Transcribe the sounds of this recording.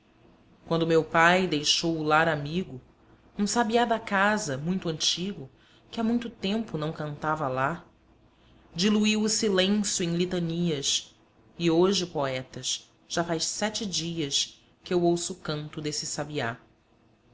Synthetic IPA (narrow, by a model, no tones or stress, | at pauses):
kwɐ̃nd̪ʊmewpajd̪ejʃowulaɾamiɡʊ | ũsabiad̪akazɐmũj̃t̪ʊɐ̃nt͡ʃiɡʊ | kɪamũj̃t̪ʊt̪ẽmpʊnɐ̃w̃kɐ̃nt̪avɐla | d͡ʒiluiwʊsilẽsjuẽj̃lit̪ɐniɐs | ioʒɪʊpoɛt̪ɐʃ | ʒ̥afajʃsɛt͡ʃɪd͡ʒiɐs | kɪewowsʊkɐ̃nt̪ʊd̪esɪsabia